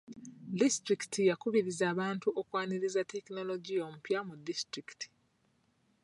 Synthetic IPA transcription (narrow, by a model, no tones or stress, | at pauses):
distɾiki̥tʰijakuβiɾizaːβaːntuʔokwaːniɾizate̞kino̞lo̞ɟio̞mupjamudːistɾiki̥tʰi̥